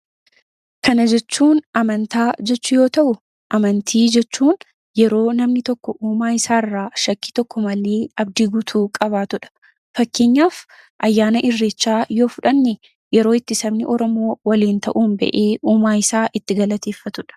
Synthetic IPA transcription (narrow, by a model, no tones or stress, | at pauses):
kɐnɐd͡ʒɛt͡ʃːuːnʔɐmɐnt̪aːd͡ʒɛt͡ʃːʊjo̞ːt̪ɐʔʊ | ʔɐmɐnt̪ʰiːd͡ʒɛt͡ʃːuːn | jɛɾo̞ːnɐmnɪt̪ɔkːɔʔuːmaːɪsaːɪrːaːʃɐkːi̥ːt̪ɔkːɔmɐleːɐb̚d̪iːɡʊt̪ʰuːkʼɐβaːt̪ʊᶑɐ̥ | fɐkːeːɲːaːf | ʔɐjːaːnɐʔɪrːet͡ʃːaːjo̞ːfʊᶑɐnːɪ | jɛɾoːɪt̪ːɪsɐbnɪʔɔɾɔmo̞ːwɐliːnt̪ɐʔuːmbɛ̰ʔeːʔuːmaːɪsaːʔɪt̪ːɪɡɐlɐt̪eːfːɐt̪ʊᶑɐ̥